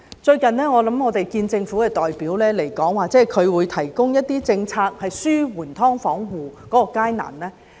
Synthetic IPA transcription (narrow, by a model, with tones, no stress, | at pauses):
t͡ʃɵ˧ɥkɐ˨nlɛː˥ŋɔː˨˧lɐ˨˥mŋɔː˨˧t̪e˨jkiː˧nt͡sɪ˧ŋfuː˨˥kɛː˧t̪ɔː˨jpiː˨˥wlɛː˥le˨˩jkɔː˨˥ŋwaː˨k̚t͡sɛː˨˥˩kʰɵ˨˧ɥwuː˨˧jt̪ʰɐ˨˩jkʊ˥ŋjɐ˥t̚t̪iː˥t͡sɪ˧ŋt͡sʰaː˧k̚hɐ˨jsyː˥wuː˨˩nt̪ʰɔː˥ŋfɔː˨˥ŋwuː˨kkɔː˨˥kɔː˧kaː˥jna̰ː˨˩nlɛː˥